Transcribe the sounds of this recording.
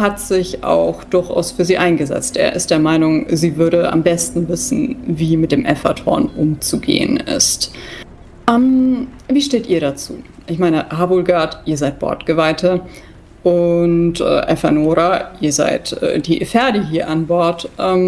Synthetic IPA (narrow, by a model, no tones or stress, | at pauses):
hatz̥ɪça̰ʊxd̥ʊɐçʔa̰ʊsfyːɐziːʔaɪnɡəzɛ̰t͡stʔḛːɐʔɪ̰std̥eːɐmaɪnʊŋziːvʏɐɾəʔa̰mbɛstn̩vɪsn̩viːmɪt̚d̥eːmʔɛfatʰɔ̰ɐnʔʊmt͡suɡḛːə̰nɪ̰st | ʔɛːmviːʃteːtʔiːɐɾat͡sṵːʔɪçmaɪnəhaːbʊlɡaɐtʔiːɐzaɪt̚b̥ɔ̰ɐtɡ̥əvaɪtʰə | ʔʊntʔɛ̰ːʔɛfanoːʁaʔiːɐza̰ɪtʔɛ̰ːd̥iːʔfɛɐdiɦiːɐʔanbɔɐtʔɛːm